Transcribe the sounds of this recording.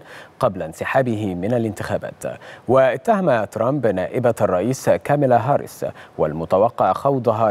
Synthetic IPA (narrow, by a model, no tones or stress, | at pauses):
qɑblansɪħaːbɪɦɪmɪnalɪnt̪ɪxaːba̰ːt̪waʔɪt̪ːahamat̪ɾˤɑmbnaːʔɪbaɑrˤːɑʔiːskaːmɪlaɦɑːɾˤɪ̰swalmʊt̪awɑqːɑʕxɑwd̪ˤɑɦɑ